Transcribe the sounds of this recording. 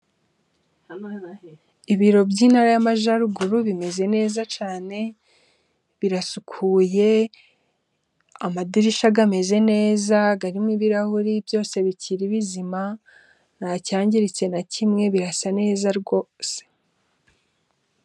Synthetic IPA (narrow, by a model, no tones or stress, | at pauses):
iβiɾo̞bɟiːnhaɾajamaʒaɾuɡuɾuβime̞ze̞ne̞ːzat͡ʃaːne̞ | βiɾasukʰuje̞ | amadiɾiʃaɡame̞ze̞ne̞ːzaɡaɾimŋiβiɾahuɾibjo̞ːse̞βiciɾiβizima | nacaːɲɟiɾit͡se̞nacʰimŋe̞βiɾasane̞ːzaɾɡo̞ːse̥